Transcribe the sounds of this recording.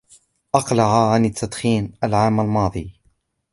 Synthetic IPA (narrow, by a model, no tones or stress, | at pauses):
ʔɑqlaʕaʕanɪt̪ːad̪xiːnalʕaːmalmɑːd̪ˤɨː